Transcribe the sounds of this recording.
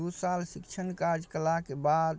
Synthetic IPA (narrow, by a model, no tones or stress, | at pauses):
usalsikt͡ʃʰənkaɾd͡ʒkəlakebad̪